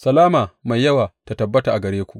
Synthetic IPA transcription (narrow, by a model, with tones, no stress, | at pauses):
sɐ˨laː˦maː˨ma˨jːɐ˦waː˨ta˨tɐ˨bːɐ˦ta˨ʔa˨ɡɐ˨ɽeː˦kʷu˨ʔ